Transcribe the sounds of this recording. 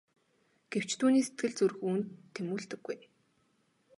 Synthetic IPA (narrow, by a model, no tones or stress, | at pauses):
ɡ̥ew̥t͡ɕt̪ʰuːniːset̪ɡɘ̆ɮt͡surxuːnt̪ʰːemuːɮt̪ɘ̆ɡ̥ːuj